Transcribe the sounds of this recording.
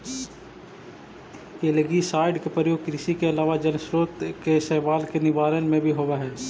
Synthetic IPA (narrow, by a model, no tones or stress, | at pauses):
eːləɡisaːɪɖkepɾəɾjoːɡ̚kɾɪsikeɐlaːʋad͡ʒɐnsɾoːt̪kesɛːʋaːlkenɪʋaːɾənmẽbʱiɦoʋaɦɛː